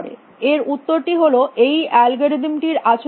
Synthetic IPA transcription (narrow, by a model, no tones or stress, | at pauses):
ɽḛ | eɾut̪ːoɾʈiɦoloʔejɛlɡoɾed̪imʈiɾat͡ɕʰ